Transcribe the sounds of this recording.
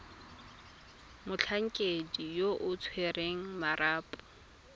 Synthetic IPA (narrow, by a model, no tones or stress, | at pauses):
mʊt͡ɬʰaŋ̩kʼedijoʔʊt͡sʰwereŋ̩maraːpʼʊ̥